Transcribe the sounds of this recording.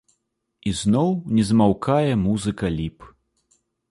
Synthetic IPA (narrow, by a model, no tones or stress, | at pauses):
iznɔwnʲɛzmawkajɛmuzɨkɐlʲip